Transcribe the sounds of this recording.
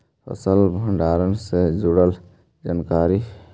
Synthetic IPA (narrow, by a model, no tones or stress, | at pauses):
pʰə̰səlbʱəɳɖaɾənsed͡ʒuɽəl | d͡ʒənkaɾi